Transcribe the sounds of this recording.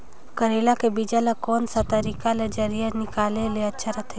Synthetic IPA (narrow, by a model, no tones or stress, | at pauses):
kəɾeːlakebid͡ʒalakoːnsat̪əɾiːkaled͡ʒɐɾijənɪkaːleleɐtːʃʰaɾɐt̪ʰɛ